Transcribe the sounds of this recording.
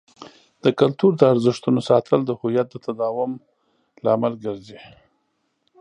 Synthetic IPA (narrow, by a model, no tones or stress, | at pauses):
d̪̥əkalt̪uɾd̪əaɾzɪʂt̪unosɑt̪ʰəld̪əhujat̪̚d̪ət̪ad̪ɑwʊm | laamalɡəɾze